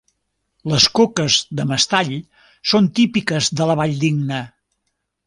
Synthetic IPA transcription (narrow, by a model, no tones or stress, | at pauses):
ləskokəzðəməst̪aʎ | sont̪ipikəzðələβaʎd̪iɡnə